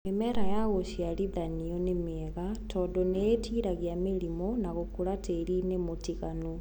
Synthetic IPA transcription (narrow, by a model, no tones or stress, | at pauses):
emɛɾajaɣoɕialiðaniɔnemɛɣatɔːdɔneetiːɾaɣjameɾimɔnaɣokuɾateɾinemotiɣanu